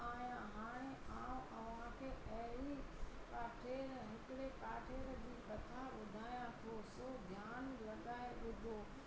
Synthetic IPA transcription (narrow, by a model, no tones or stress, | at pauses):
aːjãɦaːɽ̃eaːũʔɛ̃ʊnãkʰeːʔɐikaːʈʰeːɾɦɪkɪɽekaːʈʰeːɾd͡ʑiːɓɐt̪ʰaɓʊd̪ʱaːjãt̪ʰosoːd̪ʱjaːnlɐɠaːeɗʊd̪ʱoː